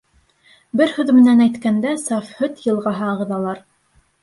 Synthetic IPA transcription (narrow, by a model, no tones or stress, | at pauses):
bɘɾhɵðmɘ̆nænæjt̪kænd̪æsɑfhɵt̪jɤ̆lˠʁɑɦɑːʁɤ̆ðɑlˠɑɾ